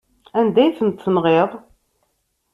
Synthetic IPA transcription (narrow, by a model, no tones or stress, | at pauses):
ænd̪æjθənt̪θənʁeðˤ